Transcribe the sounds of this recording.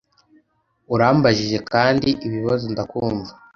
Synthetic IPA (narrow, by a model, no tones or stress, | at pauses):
uɾaːmbaʒiʒe̞kaːndiʔiβiβazondakuːɱvḁ